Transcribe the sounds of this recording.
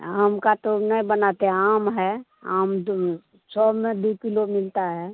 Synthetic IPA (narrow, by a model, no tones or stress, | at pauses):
aːmkat̪onəĩbənat̪eɦɛ̃aːmɦɛ | aːm | sʰɔːmẽd̪ukɪlomɪlt̪aɦɛː